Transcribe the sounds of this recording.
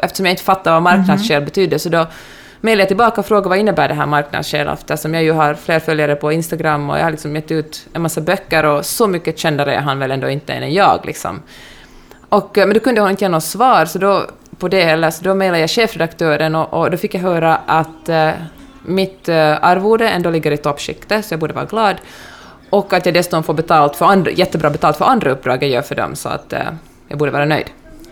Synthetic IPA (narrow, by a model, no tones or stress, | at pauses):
ʔɛft̪əʂɔmjaɪnt̪əfat̪ːaɾvamaɾknad̪sɕeːlbɛt̪ʰyːd̪əsɔd̪ɔ | mɛjladjat̪ɪlbɑːkaɔfɾoːɡavaɪnːəbæːɖɛɦæ̰ːɾmaɾkna̰d̪sɕḛːlɔ̰ft̪asɔmjaːjɵɦaɾfleːɾfœljaɾəpʰɔɪnst̪aɡɾamːɔ̰ja̰halɪksɔmjɛt̪ːəʉ̟ːt̪ɛnmasːabœkːəɾɔsɔmʏkːəɕɛnd̪aɾə̰ɦanvɛlɛnd̪o̰ːɪnt̪ːəɛ̰nɛjɑ̰ːɡlɪ̰ksɔ̰m | ʔɔkːmɛnd̪ɔkʰɵnd̪əhʊnɪnt̪əjːnːsvɑːɾsɔd̪ɔ | pʰɔd̪ɛhɛlːəɾsɔd̪ɔmɛjlad̪əjaɡɕeːfɾɛd̪akt̪ʰøːɾənɔʔɔd̪ɔfɪkːjaɦœːɾaʔat̪ | mɪt̪aɾvuːɖəɛnd̪oːlɪɡːəɾɪt̪ʰɔpːɕɪ̰kt̪əsɔjɑaɡbuːɖəvɑːɾaɡlɑːd̪ | ʔɔkːat̪jaːɡd̪ɛsʉ̥t̪ɔnfoːbɛt̪ʰɑːlt̪fœɾanjɛt̪ːəbɾɑːbɛt̪ɑlfœɾand̪ɾaɵp̚ːd̪ɾɑːɡəɾjœ̰ːɾfœɖɔ̰msɔ̰a̰t̪ | jɑ̰ːɡbuːɖəvɑːɾanœ̰jd̪